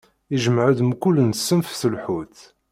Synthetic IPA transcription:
iʒəmʕəd̪əmkʊlːənsːəmfθəlħuθ

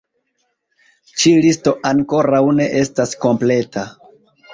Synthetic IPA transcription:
t͡ʃilisto̞ʔaŋko̞ɾawne̞ʔe̞stasko̞mple̞ta

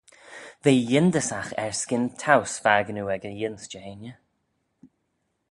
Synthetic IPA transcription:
veːjɪnd̪əsaxɛ̰ɹskɪnt̪ʰawsfaːɡənuɛɡəjɪnsd͡ʒeːnjə

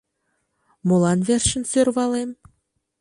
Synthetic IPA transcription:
molˠɑnvʲerʃɘ̆nsørβɑlem

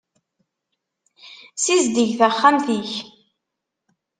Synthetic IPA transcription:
sizd̪iʝθaχːamθiç

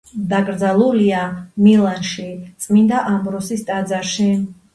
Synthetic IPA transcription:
d̪akʼɾd̪zalˠuliamilˠanʃit̪sʼmind̪aʔambɾɔsist̪ʼad̪zaɾʃi

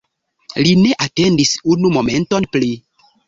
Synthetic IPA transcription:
lineʔatendisunumomẽntonpli

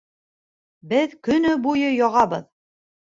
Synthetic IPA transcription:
bɘðkɵ̆nɵbujɤjɒʁɑbɤð

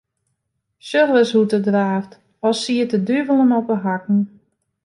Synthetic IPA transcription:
søxʋəshutədraːft | ɔsiətədyvəlˠənɔpəɦak̚n̩

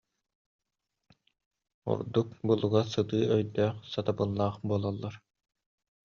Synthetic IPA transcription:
ṵɾd̪uk̚bulˠuɡasɯt̪ɯːœjd̪œːχsat̪abɯlˠːaːχbuɔlˠɔlˠːaɾ

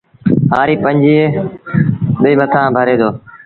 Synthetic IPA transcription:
ɦaːɾiːpə̃ɲd͡ʒiːe | ɓeːmət̪ʰãːbʱəɾeːd̪oː

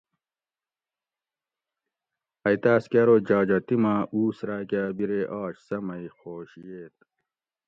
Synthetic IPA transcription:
ɐjt̪aːskaɾod͡ʑaːd͡ʑɐt̪imauːsɾaːkʲabiɾeʔɑːɕsɐmɐixoːɕjeːt̪̚

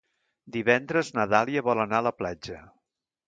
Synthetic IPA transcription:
d̪iβɛnd̪ɾəznəðalˠiəβɔlənaələplad͡ʒə

